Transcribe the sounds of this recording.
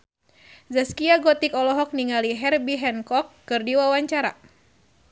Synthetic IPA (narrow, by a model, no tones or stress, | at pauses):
zaskiaɡɔt̪ikɔlɔɦɔk̚niŋaliɦɛrbiɦɛnkɔkːɨrdiwawaɲt͡ʃaɾa